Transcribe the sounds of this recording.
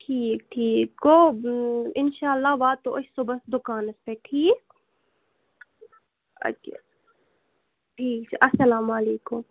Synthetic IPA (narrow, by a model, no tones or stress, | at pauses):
ʈʰiːk̚ʈʰiːkko | ɪnʃaːlːaːbaːt̪ːoʔt͡ʃʰsobɐsd̪ʊkaːnɐspeʈʰiːk̚ | ɐ̰ | ʈʰiːkt͡ʃʰʔɐsɐlaːmaleːkʊm